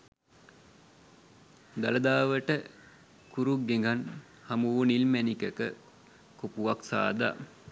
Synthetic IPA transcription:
d̪aləd̪aːʋəʈə | kuɾuɡeŋɡan | hamuʋnilmænikəkə | kopuʋaksa̰ːd̪a̰

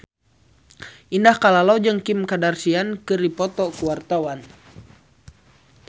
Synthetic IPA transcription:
ʔindahkalalawd͡ʒɨŋkɪmkadarsiankɨɾipɔt̪ɔkuwart̪awan

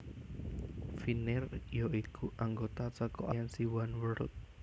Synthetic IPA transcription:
finɪrjɔikuʔaŋɡot̪at͡səkɔʔajɛnsiwanwəɾʊ̰t̪̚

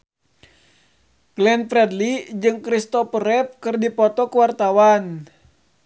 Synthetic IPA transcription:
ɡ̥lɛnfɾɛdlid͡ʒɨŋkɾist̪ɔpəɾɛp̚kɨrdipɔt̪ɔkuwart̪awan

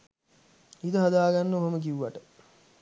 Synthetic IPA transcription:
id̪əɦɐd̪aːɡanːəoɦəmək̬iwuʋaʈə

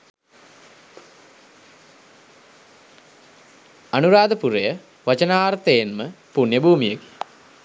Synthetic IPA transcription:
anuɾaːd̪əpuɾejə | ʋat͡ʃənaːɾt̪ejenməpunjəbʱuːmijəke̥

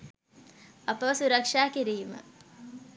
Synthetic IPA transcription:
ɐpəʋəsuɾɐkʂaːkiɾijumə̰

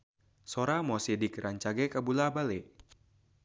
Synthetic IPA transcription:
soɾamɔsidikɾʔaɲt͡ʃaɡɛkabulabale

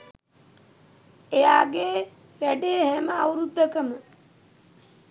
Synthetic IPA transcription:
ejaːɡeː | ʋæɖeːhɛməawɾud̪ʱːəkəmə

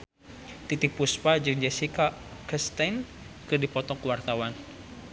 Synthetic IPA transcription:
t̪it̪ɪk̚puspad͡ʒəŋd͡ʒɛsika | kəst̪an | kɨrdipɔt̪ɔkəwart̪awan

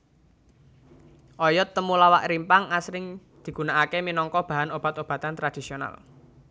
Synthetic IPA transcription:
ʔɔjɔt̪ːəmulawaʔɾimpaŋasɾɪŋ | d̪̥i̤ɡ̥unaʔakeminɔŋkɔb̥a̤ɦanob̥a̤t̪ob̥a̤t̪ant̪ɾad̪̥isiona̰l

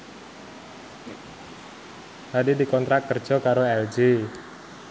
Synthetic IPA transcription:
hadidikɔnt̪ɾat̪̚kər̥d͡ʒ̥ɔ̤kaɾoɛld͡ʒi

